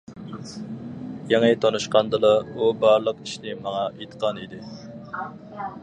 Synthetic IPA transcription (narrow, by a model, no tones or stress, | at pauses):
jeŋət̪ʰonuʃqɑnd̪ɨlˠɑubɑɾlˠəqiʃnɪmɑŋɑʔet̪ʰə̥qʰɑnid̪ɪ